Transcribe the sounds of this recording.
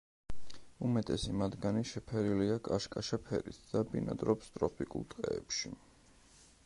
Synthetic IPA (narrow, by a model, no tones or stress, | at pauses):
umɛt̪ʼɛsimad̪ɡaniʃɛpʰɛɾiliakʼaʃkʼaʃapʰɛɾit̪ʰd̪̥abḭna̰d̪ɾɔpst̪ʼɾɔpʰikʼṵlˠt̪ʼqʼɛ̰ːpʃi